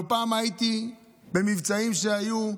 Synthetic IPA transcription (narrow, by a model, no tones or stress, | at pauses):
paːmajit̪i | be̞mivt͡saimʃe̞aju